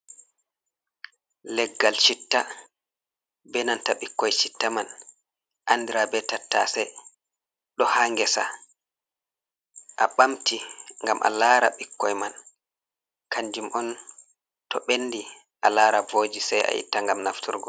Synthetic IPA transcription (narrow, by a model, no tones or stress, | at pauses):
lɛɡːalʃitːa | bɛnantaɓikːɔjt͡ʃitːaman | ʔandiɾabɛtatːa̰sɛ | ɗɔhaŋɡɛsa | ʔaɓamtiŋɡamʔa̰laːɾa̰ɓikːɔjman | kʰaɲd͡ʒimʔɔn | tɔɓenːdi | ʔalaːɾavoːd͡ʒisɛja̰jḭtːaŋɡamnaftʰuɾɡɔ